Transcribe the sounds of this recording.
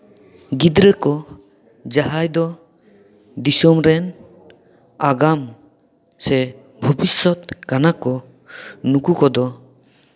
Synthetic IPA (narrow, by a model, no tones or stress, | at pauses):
ɡid̪ɾəkɔ | d͡ʒaɦajd̪ɔ | d̪isɔmɾɛn | aɡam | sɛ | bʱɔbisɔt̪̚kanakɔ | nukukɔd̪ɔ